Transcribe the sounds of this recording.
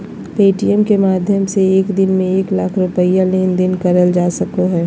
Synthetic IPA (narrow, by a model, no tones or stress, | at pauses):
peːʈijəmkemaːd̪ʱjəmseeːkd̪ɪnmẽeːklaːkʰɾʊpəijãleːnd̪ɪnkɐɾəld͡ʒaːsəkoɦɛː